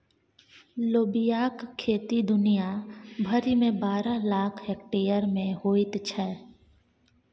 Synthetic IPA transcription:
loːbijaːkʰːeːt̪id̪ʊnijabʱəɾimẽbaːɾalaːkʰɦeːkʈeːjəɾmẽɦoːɪt̪t͡ʃʰɛː

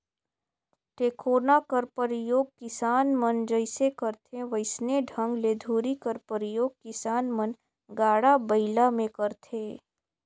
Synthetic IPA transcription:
ʈeːkʰoːnakəɾpəɾɪjoːɡ̚kɪsaːnmənd͡ʒəɪsekəɾt̪ʰẽʋəɪsneɖʱə̃ŋɡleːd̪ʱuːɾikəɾpəɾɪjoːɡ̚kɪsaːnmən | ɡaːɽabəɪlamẽkəɾt̪ʰeː

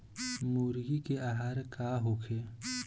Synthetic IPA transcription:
muːɾɡikeaːɦaːɾkaɦoːkʰeː

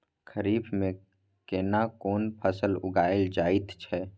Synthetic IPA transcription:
kʰəɾiːbmẽ | keːnakoːnpʰəsəlʊ̰ɡaːɪld͡ʒaːɪt̪t͡ʃʰɛː

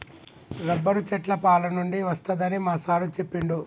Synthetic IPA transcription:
ɾɐbːɐɾut͡ʃɛʈlɐpaːlɐnuɳɖiʋɐst̪ɐd̪ɐnimaːsaːɾut͡ʃe̞pːiɳɖu

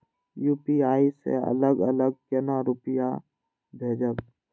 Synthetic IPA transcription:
juːpiaːisḛə̰ləɡələɡ̚kenaɾʊpɪja | bʱeːd͡ʒək

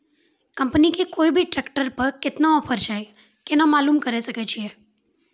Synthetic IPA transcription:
kəmpnikekoibʱiʈɾɛkʈəɾpəɾkɪt̪naɔfʰəɾt͡ʃae | kenəmalumkəɾesəket͡ʃʰie

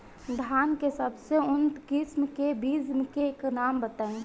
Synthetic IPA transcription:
d̪ʱaːnkesəbseʊnt̪kɪsmkebiːzmkeknaːmbət̪ə̃ŋ

